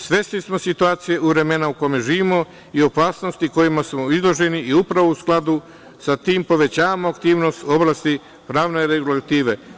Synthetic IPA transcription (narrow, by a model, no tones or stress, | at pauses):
sʋe̞st̪lismo̞sit̪uaːt̪sije̞ʔuʋɾe̞me̞naukome̞ʒiːʋimo̞ | io̞paːsno̞st̪iko̞jimasmoizlˠo̞ʒe̞niʔiupɾaʋousklˠad̪u | sat̪iːmpo̞ʋe̞t͡ɕaːamoakt̪iːʋno̞st̪o̞blˠaːst̪i | pɾaːʋne̞ɾeɡulat̪iːʋe̞